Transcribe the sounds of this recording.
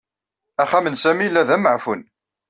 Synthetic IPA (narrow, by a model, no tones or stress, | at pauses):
æχæmənsæmilːæðæməʕfun